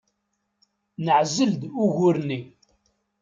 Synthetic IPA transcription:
nəʕzəld̪ʊɣʊɾni

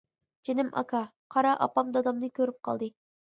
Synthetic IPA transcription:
d͡ʒenɪmʔɑ̰kʰɑqʰɑɾɑʔɑ̰pɑmd̪ɑd̪ɑmnɨkʲʰøɾyp̚qʰɑ̰lˠd̪ɨ

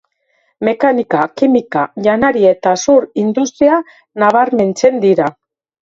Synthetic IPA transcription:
me̞kanikakimikaʎanaɾiet̪asuɾind̪ust̪ɾia | naβ̞aɾme̞nt͡se̞nd̪iɾa

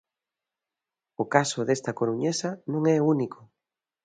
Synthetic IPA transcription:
ʊkasʊðest̪ɐkoɾuɲesanõŋɛunikʊ

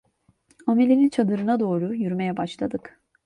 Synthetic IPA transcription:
amelʲinint͡ʃʰad̪ɯɾɯnad̪o̞ːɾujyɾme̞jɛbaʃlˠad̪ɯk

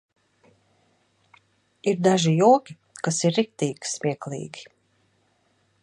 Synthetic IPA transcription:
iɾd̪aʒijuɔkʲi | kasiɾːik̚t̪iːɡʲi̥smʲiɛklˠḭːɡʲi

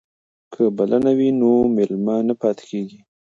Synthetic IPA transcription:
kʰəbalanawinomɪlmanapɑt̪ɪ̥keɡi

